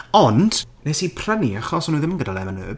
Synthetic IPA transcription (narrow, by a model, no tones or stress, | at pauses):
ɔnd̥nɛsipʰr̥əniaχɔsɔnuðəmənɡədalˠɛvanə̰ːb